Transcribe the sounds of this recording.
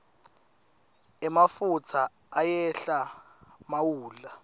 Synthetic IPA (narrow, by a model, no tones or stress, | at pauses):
ɛmafut͡sʰaː | jɛɬa | mawuːla